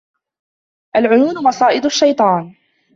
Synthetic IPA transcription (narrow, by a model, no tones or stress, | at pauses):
ʔalʕʊjuːnʊmɑsˤɑːʔɪd̪aʃːajt̪ˤɑːn